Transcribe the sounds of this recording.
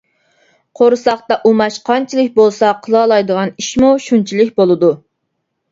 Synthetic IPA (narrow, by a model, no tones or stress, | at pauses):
qʰoɾɨsɑχt̪ɑʔumɑʃqʰɑnt͡ʃʰilˠɨkʲbolˠsɑqʰəlˠɑːlˠɑjd̪əʁɑniʃmuʃunt͡ʃʰilˠɪk̚ʲbolˠɨd̪u